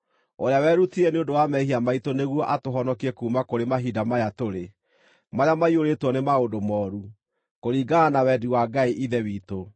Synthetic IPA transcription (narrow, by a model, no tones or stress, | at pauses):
oɾeawɛːɾutiɛneondowamɛɦiamaitoneɣwɔʔatoɦɔnɔkiɛkuːmakoɾemaɦidamajatoɾe | maɾeamaioɾetwɔnemaodomɔːɾu | koɾiːɡaanawɛdiwaɡaiʔiðɛwiːto